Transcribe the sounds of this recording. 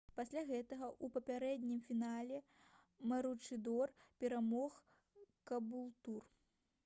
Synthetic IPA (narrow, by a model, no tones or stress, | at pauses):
pasʲlʲaɣɛt̪ɐɣɐʔupɐpʲaɾɛd̪ʲnʲimfʲinalʲɛ | mɐɾut͡ʂɨd̪ɔrpʲɛɾamɔx | kɐbulˠt̪ur